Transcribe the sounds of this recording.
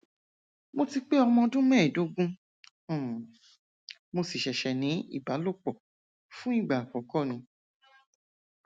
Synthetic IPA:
mo˧ti˧k͡pe˦ɔ˧mɔ̃˧dũ˦mɛ̃˦˨do˨˦ɡũ˦˨ | mo˧si˨ʃɛ˨ʃɛ˨nĩ˨˦ḭ˦˨ba˨˦lo˦˨k͡pɔ˦˨ | fũ˦i˦˨ɡ͡ba˨k͡pɔ̃˨˦kɔ˦˨nĩ˧˦

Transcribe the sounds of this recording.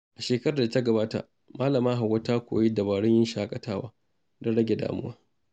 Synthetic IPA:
ʔa˨ʃeː˨kɐ˦ɾa˨da˨tɐ˦ɡɐ˨baː˦ta̰˨ | maː˦lɐ˨maː˦ɦa˨wɐ˦taː˦kʷo̰ː˨ji˦dɐ˨baː˨ɽɔ˦ɲjɪ˦nʃaː˦kʼɐ˨tʰaː˦waː˦ | dɐ˦ɽɐ˦ɡʲe˨da̰ː˨mʊ̰˦waː˦

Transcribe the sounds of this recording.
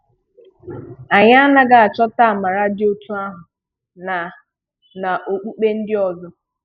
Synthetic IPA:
a˨ɲa˦a˦na˦ɡa˨a˨t͡ʃɔ˦ta˦a˨ma˨ɾa˦dɪ˦o˦tʰu˦a˦ɦʊ˨ | na˨ | na˨ʔo˨k͡pu˦k͡pe˦n̩˦dɪ˦ɔ˨zɔ˦

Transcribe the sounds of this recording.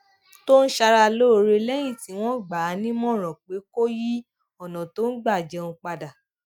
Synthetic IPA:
to˦n̩˦ʃa˧ɾa˧lo˦˨ɾe˧lɛ˦j̃ĩ˦˨ti˨˦w̃ɔ̃˦˨ɡ͡ba˨˦nĩ˦mɔ̃˦˨ɾ̃ɔ̃˨k͡pe˨˦ko˦ji˦ | ɔ˨nɔ̃˨to˦n̩˦ɡ͡ba˦˨d͡ʒɛ˧ũ˧k͡pa˧da˨

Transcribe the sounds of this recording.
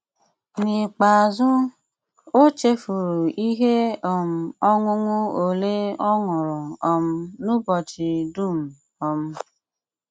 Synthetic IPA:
ni˨k͡pa˨zʊ˦ | o˦t͡ʃe˦fu˨ɾu˨i˦ɦe˦ɔ˨m̩˦ɔ˦ŋʊ˦ŋʊ˦o˨le˦ɔ˦ŋʊ˨ɾʊ˨ɔ˦m̩˦nu˦bɔ˨t͡ʃi˨du˦˨m̩˨ | ɔ˦m̩˦

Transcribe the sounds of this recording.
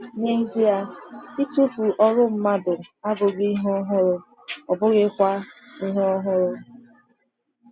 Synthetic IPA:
ne˦zi˦a˦i˦tu˦fu˨ʔɔ˦ɾʊ˦m̩˦ma˦dʊ˨a˦bʊ˨ɡi˦ɦɔ˦ɦʊ˦ɾʊ˨ | ɔ˨bʊ˦ɣɪ˦kʷa˦i˦ɦɔ˦ɦʊ˦ɾʊ˨

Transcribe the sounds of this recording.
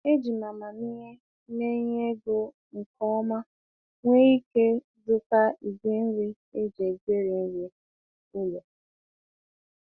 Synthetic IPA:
e˦d͡ʒi˨ma˨ma˨ni˦ɲe˦ | ne˦ɲe˦ɡo˨ | ŋ̩˨kɔ˦ma˦ | ŋʷe˦i˦ke˦ | zʊ˦ka˦i˨bi˦n̩˦ɾi˦ | e˦d͡ʒe˨ɡe˦ɾi˨n̩˦ɾe˦ | o˦le˨

